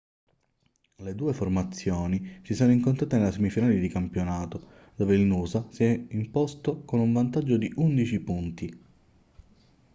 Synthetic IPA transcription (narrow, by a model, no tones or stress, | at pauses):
led̪uːeformat̪sːjoːnisisoːnoiŋkont̪ɾaːt̪enelasemifinaːled̪ikampjonaːt̪o | d̪̥oːveilnuːzasiɛimpost̪okonuɱvant̪ad͡ʒːod̪iʔund̪it͡ʃipunt̪i